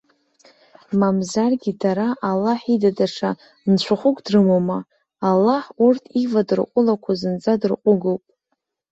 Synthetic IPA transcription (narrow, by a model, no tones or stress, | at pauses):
mamzarɡʲidaɾaʔalːaħidadaʂa | nt͡ɕʷʰaχʷʊkʷʼdrɨmoma | alːaħurtʰivadɨrqʷʼʊlakʷʰazɨnt͡sʼadɨrqʷʼʊɡowpʼ